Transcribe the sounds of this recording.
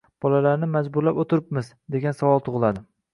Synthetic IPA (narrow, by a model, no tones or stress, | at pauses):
b̥ɒlalaɾnɪmad͡ʒbʊɾlapot̪ʰɪɾɪpmɪz | d̪e̞ɡʲansavɒlˠt̪ʰʊʁɨlˠad̪ɪ